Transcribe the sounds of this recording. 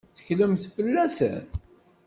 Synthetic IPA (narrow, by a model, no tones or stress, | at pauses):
θə̥çləmθfəlːæsə̰n